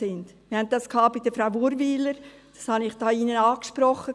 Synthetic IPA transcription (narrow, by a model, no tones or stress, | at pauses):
ɪndmɪhɛnttːɑskhɑːbɪd̥əfɾaʊʋuɾviːləɾ | d̥ɑ̥shɑnɪχd̥ɑːiːnənɑːkʃpɾɔχə